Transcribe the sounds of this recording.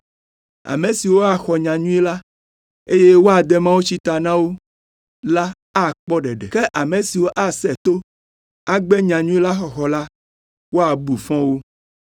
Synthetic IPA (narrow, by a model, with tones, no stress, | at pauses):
a̰˨mẽ˨si˨wo˦a˨xɔ˨ɲã˨ɲũ˦ɛ˦la˦ | e˦je˦wo˦a˨d̪ɛ˦mã˦wo˦t͡ɕi˦t̪a˨nã˦wo˦ | la˦ | a˦˨k͡pɔ˦ɖɛ˨ɖɛ̰˨ke˦ʔa˨mẽ˨si˨wo˦ʔa˨sɛ˨t̪o˦ | a˦ɡ͡bɛ˦ɲã˨ɲũ˦ɛ˦la˦xɔ˨xɔ˨la˦ | wo˦a˨bu˨fɔ̃˦wo˦